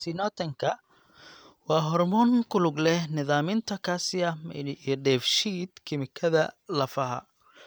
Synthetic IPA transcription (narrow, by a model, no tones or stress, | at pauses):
sɪnɔːt̪ʰɐŋkʰɐ | wɑːɦɔrmɔːŋkʰʊlʊɡlɛhnɪðaːmɪnt̪ʰɐkʰaːsɪɐmɐ̰ijɔɖɛːfʃiːd̪̥kʰɪmɪkʰɐðɐlɐfɐɦɐ̰